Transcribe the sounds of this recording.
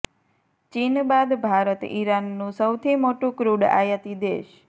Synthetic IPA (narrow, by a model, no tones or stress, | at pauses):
t͡ʃinbad̪bʱaɾət̪ḭɾanːũsəwt̪ʰimoʈũkɾuɖa̰jət̪id̪ḛʃ